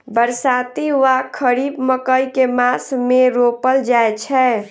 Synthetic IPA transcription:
bəɾsat̪iʋakʰəɾibməkəjkemasmeɾopəld͡ʒaet͡ʃʰɛ

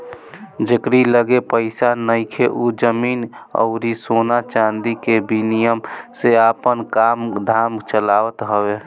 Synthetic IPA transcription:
d͡ʒekɾiləɡepəɪsanəɪkʰeʔud͡ʒəmiːnɔ̰ʊɾisonat͡ʃand̪ikebinijəmseapənkamd̪ʱaːmt͡ʃəlaʋət̪ɦəwe

